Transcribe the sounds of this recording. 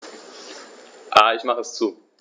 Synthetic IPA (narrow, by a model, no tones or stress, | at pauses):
ʔaːɪçmaχəɛst͡suː